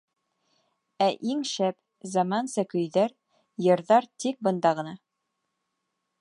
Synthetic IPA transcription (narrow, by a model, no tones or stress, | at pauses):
æʔiŋʃæp | zɑmɑnsɤkɵ̆jðæɾ | jɤ̆ɾðɑɾt̪ik̚bɤ̆nd̪ɑʁɤ̆nɑ